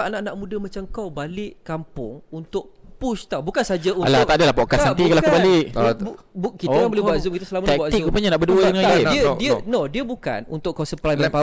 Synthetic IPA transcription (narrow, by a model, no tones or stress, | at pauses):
ʔanaʔnaʔmũdəmãt͡ʃamkawbalɪʔkampʊŋunt̪ʊʔpust̪awbukansad͡ʒaunlaadəlahpokasaikalakkubalɪʔ | bukit̪akabolebuat̪zumkit̪əsəlamakbazikupəɲanaʔbəduəd̪əŋaniədiənodiəbuka̰nunt̪ʊʔkawsəplajmənpa